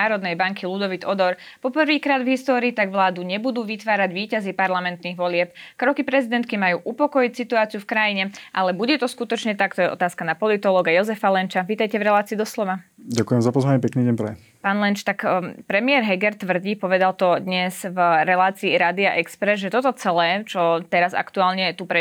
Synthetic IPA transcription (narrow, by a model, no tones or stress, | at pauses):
aːɾɔd̪nɛjbaŋkʰilud̪ɔʋid̪ɔd̪ɔɾ | pɔpr̩ʋiːkɾaːd̪vɦist̪ɔːɾiːt̪aɡʋlaːd̪uɲɛbud̪uːʋit̪ʋaːɾaɟʋiːcazipaɾlamɛnt̪niːɣʋɔlɪɛp̚kɾɔkipɾɛzid̪ɛnt̪̚kimajuːʔupɔkɔjicsit̪uaːt͡siufkɾajiɲɛʔalɛbuɟɛt̪ɔskut̪ɔt͡ʃɲɛt̪akt̪ɔjɛʔɔ̰t̪aːskanapɔlit̪ɔlɔːɡajɔzɛfalɛnt͡ʃaʋiːt̪ajcɛvɾɛlaːt͡siːd̪ɔslɔʋaɟakujɛmzapɔzʋaɲɛpɛkniːɟɛɲpɾɛ | paːnlɛnt͡ʃt̪akpɾɛmɪɛɾɦɛɡɛɾt̪ʋr̩ɟipɔʋɛd̪alt̪ɔd̪ɲɛzvɾɛlaːt͡siːɾad̪iaʔɛkspɾɛzʒɛt̪ɔt̪ɔt͡sɛlɛːt͡ʃɔt̪ɛɾaza̰kt̪uaːlɲɛt̪upɾɛ